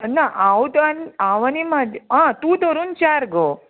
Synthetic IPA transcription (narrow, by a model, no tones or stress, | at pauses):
naʔãwd̪anaʋanimad̪ɦãt̪ũd̪ɔɾuːnt͡ɕaɾɡɔ